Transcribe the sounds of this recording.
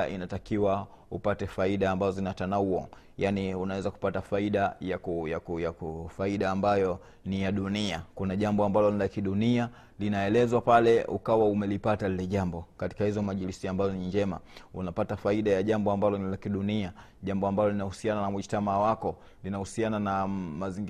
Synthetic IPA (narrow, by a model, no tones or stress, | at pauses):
ḭnatakiwa | upatɛfaiɗaːmbazɔzinatanauɔ̰ | janiunawɛzaku̥patafaiɗajakujakujakufaiɗaːmbajɔ | nijaɗuniakunaʄambɔambalɔnilakiɗunia | linaɛlɛzwapalɛṵkawaumɛlipatalilɛʄambɔkati̥kahizɔmaʄilisiambazɔniɲd͡ʒɛma̰unapatafaiɗajaʄambɔambalɔnilakiɗunia | ʄambɔambalɔlinahusiananamwiʃtamawakɔ | linahusiananamaziŋɡ